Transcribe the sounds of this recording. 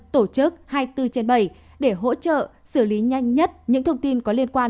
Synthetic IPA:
t̪o˧˩t͡ɕɨ˦˥k̚haː˧jt̪ɨ˧t͡ɕe˧nɓə˧˩j | ɗe˧˩ɦo̰˧˥t͡ɕə̰ː˧˨ | sɨ˧˩li˨˦ɲa˧jŋ̟ɲə˦˥t̚ɲɨ̰˧˥ŋt̪ʰə˧wŋ͡mt̪i˧nkɔ˨˦li˧ənkwaː˧n

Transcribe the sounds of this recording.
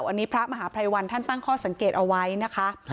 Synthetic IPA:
wʔa˧nːiː˦˥pʰɾa˦˥ʔma˧ɦaː˩˦pʰɾa˧jwa˧nt̪ʰa˥˩nt̪a˥˩ŋkʰɔː˥˩sa˩˦ŋkeː˨˩t̪̚ʔa˧wa˦˥jna˦˥kʰa˦˥

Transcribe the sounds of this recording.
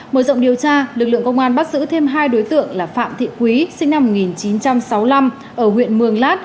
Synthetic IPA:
məː˧˩zə̰˧˨ŋ͡mɗi˨˩əwt͡ɕaː˧lɨ˨˩k̚lɨ̰˧˨əŋkə˧wŋ͡mʔaː˧nɓaː˦˥t̚zɨ̰˧˥t̪ʰe˧mɦaː˧jɗo˨˦jt̪ɨ̰˧˨əŋlaː˨˩fa̰ː˧˨mt̪ʰḭ˧˨kwi˨˦sï˧ŋ̟na˧mːo˨˩t̚ŋi˨˩nt͡ɕi˨˦nt͡ɕa˧msa˨˦wla˧m | ʔəː˧˩ɦwḭ˧˨ənmɨ˨˩əŋlaː˦˥t̚

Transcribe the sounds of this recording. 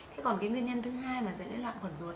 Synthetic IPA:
t̪ʰe˨˦kɔ˨˩nkaː˨˦ŋwi˧ənɲə˧nt̪ʰɨ˨˦ɦaː˧jmaː˨˩zə̰˧˥ɗə˨˦nlwa̰ː˧˨ŋxwə˨˩nzu˨˦

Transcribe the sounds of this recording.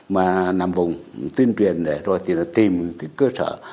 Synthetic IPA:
maː˨˩na̰˨mvə˨˩wŋ͡mt̪i˧ənt͡ɕwḭ˨ənɗe˨˩zo˨˩jt̪ʰi˨˩nɔ˨˦t̪i˨˩mi˨˦ŋkaː˨˦jkəː˧sə̰ː˧˨

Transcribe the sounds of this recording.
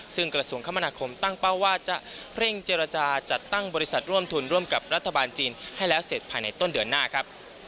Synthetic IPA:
sɯ˥˩ŋkɾa˧su˧˩əŋkʰa˦˥mːa˧naː˧kʰo˧mt̪a˥˩ŋpa˥˩waː˥˩t͡ɕa˨˩ʔʰɾe˥˩ŋt͡ɕeː˧ɾa˧t͡ɕaː˧t͡ɕa˨˩t̪ːa˥˩ŋbɔː˧ɾi˦˥sa˨˩t̪̚ɾu˥˩əmt̪ʰu˧nɾu˥˩əmka˨˩p̚ɾa˦˥t̪ʰːa˧baː˧nt͡ɕiː˧nha˥˩jlɛː˦˥wse˨˩t̪̚pʰaː˧jna˧jt̪o˥˩ndɯ˧˩ənːaː˥˩kʰa˦˥p̚

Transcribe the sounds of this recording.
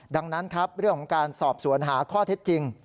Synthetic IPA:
da˧ŋna˦˥nkʰɾa˦˥p̚ɾɯ˥˩əŋkʰɔ˨˩˦ŋkaː˧nsɔː˨˩p̚su˨˩˦ənɦaː˩˦kʰɔː˥˩t̪ʰe˦˥t̪̚t͡ɕi˧ŋ

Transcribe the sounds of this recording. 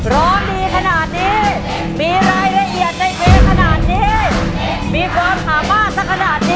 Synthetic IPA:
ɾɔː˦˥ndiː˧kʰa˧naː˨˩t̪̚niː˦˥ | miː˧ɾaː˧jɾa˧ʔi˨˩ət̪̚da˧˩jmeː˦˥kʰa˧naː˨˩t̪̚niː˦˥ | miː˧kʰwaː˧mʔaː˨˩maː˥˩t̪̚sa˦˥˩kʰa˧naː˨˩t̪̚niː˦˧

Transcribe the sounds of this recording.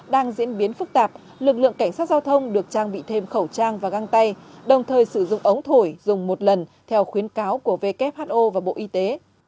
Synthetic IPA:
ɗaː˧ŋzḭ˧˥ənɓi˨˦ənfɨ˦˥k̚t̪aː˨˩p̚ | lɨ˨˩k̚lɨ̰˧˨əŋka˧˩jŋ̟saː˦˥t̚zaː˧wt̪ʰə˧wŋ͡mɗɨ˨˩ək̚t͡ɕaː˧ŋɓḭ˧˨t̪ʰe˧mxə˧˩wt͡ɕaː˧ŋvaː˨˩ɣa˧ŋt̪a˧jɗə˨˩wŋ͡mt̪ʰəː˨˩jsɨ˧˩zʊ̰˧˨ŋ͡mʔə˨˦wŋ͡mt̪ʰo˧˩jzʊ˨˩ŋ͡mmo˨˩t̚lə˨˩nt̪ʰɛ˧wxwi˨˦ənkaː˨˦wku˧˩əve˧kɛ˦˥p̚haː˦˥t̚ʔo˧vaː˨˩ɓo̰˧˨ʔi˧t̪e˨˦

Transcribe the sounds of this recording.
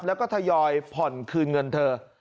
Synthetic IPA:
p̚lɛː˦˥wkɔː˥˩t̪ʰa˧jɔː˧jpʰɔ˨˩nkʰɯː˧nŋɤ˧nt̪ʰɤː˧

